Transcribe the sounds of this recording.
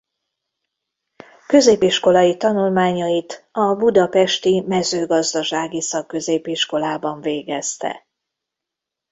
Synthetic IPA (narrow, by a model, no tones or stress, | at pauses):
kø̞zeːpiʃko̞lɒjit̪ɒnulmaːɲɒjit̪ɒbud̪ɒpɛʃt̪imɛzøːɡɒzd̪ɒʃaːɡisɒkːø̞zeːpiʃko̞laːbɒɱveːɡɛst̪ɛ̰